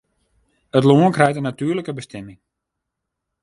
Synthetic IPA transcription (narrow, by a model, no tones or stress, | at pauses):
ətloənkrɛjtənatyːləkəbəstʰɛmɪŋ